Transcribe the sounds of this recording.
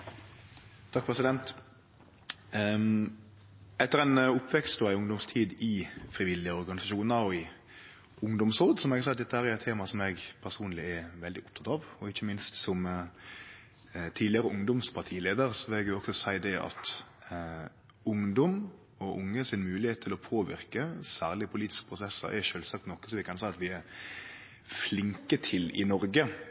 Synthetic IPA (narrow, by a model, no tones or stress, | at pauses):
t̪ʰɑk̚pʰɾɛsɪd̪ɛnt̪ | ɛt̪ːəɾæɪnʊpːʋɛkst̪d̪ɔæɪʊŋd̪ʊmst̪ʰiːd̪ɪfɾɪʋɪlːɪɔɾɡɑnɪsɑʃuːnəɾɔɪ | ʊŋd̪ʊmsɔːd̪sɔmɛɡɑsɛt̪d̪ɛt̪ːəhæːɾæɾɛt̪ʰːeːmɑsɔmɛɡpʰæsuːnlɪɛʋɛld̪ɪʔʊp̚t̪ʰɑt̪ɑːʋɔɪçːəmɪnst̪sɔm | t̪ʰiːd̪lɪəɾəʊŋd̪ɔmspʰɑɾt̪ʰiːleːd̪əɾsɔʋɪlɛɡjʊɔksɔsæɪd̪ɛʔɑ̰t̪ | ʊŋd̪ɔm | ɔʔʊŋːəsɪnmʉːlɪheːt̪t̪ʰːɪlɔpʰoːʋɪ̰ɾkəsæːʁlɪəpʰʊliːt̪ɪ̥skəpʰɾʊsɛsːə̰ɾɛ̰ʂøːlsɑk̚t̪nɔkə̥sɔmʋɪkʰɑnsæɪɑt̪ʋɪɛɾ | flɪŋkət̪ʰɪlɪ̰nɔɾɡə